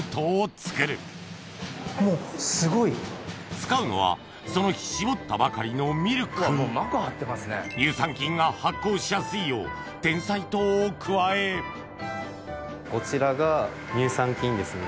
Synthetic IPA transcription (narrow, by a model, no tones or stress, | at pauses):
t̪oːt͡sɨ̥kɯɾɯ̟ | moːsɨɡo̞it͡sɨ̥kaɯ̟no̞̰βa̰ | so̞no̞çi̥ɕibo̞t̪ːabakaɾʲino̞mʲiɾɯ̟kmoːmakahat̪ːe̞masɨnḛɲʲɨːsãŋkʲĩŋɡahakːo̞ːɕijasɨijo̰ː | d̪̥ẽ̞ɰ̃sait̪oːkʰɯ̟βae | ko̞t͡ɕiɾaɡa | ɲʲɨːsãŋkʲĩnd̪e̞sɨne